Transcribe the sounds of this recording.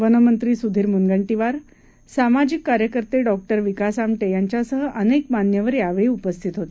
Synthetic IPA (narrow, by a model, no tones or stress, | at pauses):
ʋənəmənt̪ɾiːsud̪ʱiːɾmunɡəɳʈiʋaɾ | samad͡ʑikːaɾjəkəɾt̪eɖɔk̚ʈəɾʋikasamʈejaɲt͡ɕjasəɦəʔənekmanjəʋəɾjaʋeɭiːupəst̪ʰit̪ɦot̪e